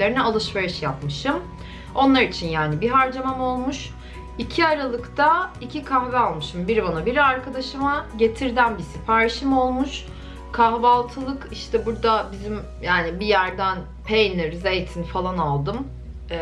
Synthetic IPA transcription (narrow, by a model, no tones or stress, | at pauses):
eɾinɛalˠɯʃve̞ɾiʃjap̚mɯʃɯm | o̞nlˠaɾit͡ʃʰinjaːnibiɦaɾd͡ʒamamo̞lˠmuʃ | icʰiaɾalˠɯkt̪ʰaicʰikʰamvɛalˠmɯʃɯmbiɾbanabiɾaɾkʰad̪aʃɯmaɟe̞t̪ʰiɾd̪ænbisifaːɾeʃimo̞lˠmuʃ | kʰaɦbalˠt̪ʰɯlˠɯkiʃt̪ʰɛbuɾd̪abizim | jaːnibijæɾd̪æn | pʰejniɾze̞jt̪ʰinfalˠanalˠd̪ɯm